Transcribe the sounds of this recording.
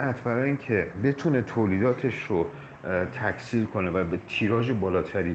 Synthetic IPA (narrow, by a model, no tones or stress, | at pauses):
ʔæt̪ʰbæɾɒːjiːncʰebe̞t̪ʰune̞t̪ʰoːliːd̪ɒːt̪ʰe̞ʃɾo | t̪ʰækʰsiːlkʰo̞ne̞væbt̪ʰiːɾɒːd͡ʒe̞bɒːlɒːt̪ʰæɾiː